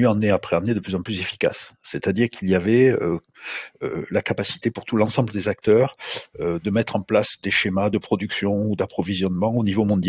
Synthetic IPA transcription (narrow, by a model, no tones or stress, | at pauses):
yɑ̃neapχeɑ̃ned̪əplyzɑ̃plyzefi̥ka̰sːɛt̪ad̪iʁkʰiliavɛø | ø̰lakapasi̥t̪epuʁt̪ulɑ̃sɑ̃bləd̪ezak̚t̪œʁød̪əmɛt̪χɑ̃plasd̪eʃemad̪əpχɔd̪yksjɔ̃ud̪apχɔvizjɔnmɑ̃onivomɔ̃d̪